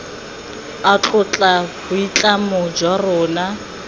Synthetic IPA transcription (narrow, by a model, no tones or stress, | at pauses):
at͡ɬʼʊt͡ɬʼabʊit͡ɬʼamʊd͡ʒwarʊːna